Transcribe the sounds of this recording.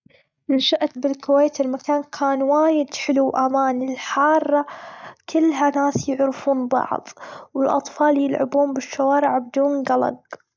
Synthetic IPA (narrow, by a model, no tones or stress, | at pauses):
nnaʃaʔt̪bɪlkʊweːt̪ɪlmakaːnkʰaːnwaːjɪd̪ħɪluwʔamaːnɪlħɑːrˤːɑkɪlːɦanaːsjʊʕɾɪfuːnbɑ̰ʕðˤwɪlʔɑ̰t̪ˤfɑːljɪlʕɪ̰buːnbɪʃːawaːɾɪʕbɪd̪uːnɡalɑ̰ɡ